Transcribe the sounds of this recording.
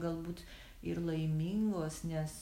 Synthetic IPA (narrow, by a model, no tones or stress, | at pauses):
ɡɐlˠbuːt̪ | ɪɾlˠɐɪmʲiŋɡoːsnʲɛs